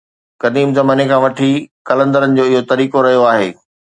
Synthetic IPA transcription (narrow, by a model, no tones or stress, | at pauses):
kɐd̪iːmzɐmaːnekʰãːʋɐʈʰikɐlə̃nd̪əɾənɪ̆d͡ʑoːɪɦot̪ɐɾiːkoɾɐɦijoaːɦḛː